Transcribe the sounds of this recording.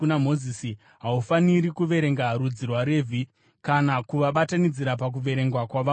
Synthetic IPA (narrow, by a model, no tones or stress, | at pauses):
unamo̞zisi | ɦaufaniɾikuʋe̞ɾe̞ŋɡaɾud͡zirwaɾe̞ːvʱi | kanakuʋaɓatanid͡ziɾapak̬uʋe̞ɾe̞ŋɡwakwaʋa